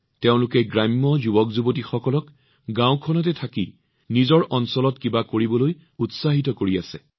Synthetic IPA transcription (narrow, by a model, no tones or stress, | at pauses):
teʊ̃lʊkɛɡɹamːɔzubɔkzubot̬ixɔkɔlɔk | ɡãw̃kʰɔnɔtɛtʰakḭ | nizɔɹʔɔnsɔlɔtkibakoɹibɔloj | utsaɦit̬ɔkoɹiasɛ̰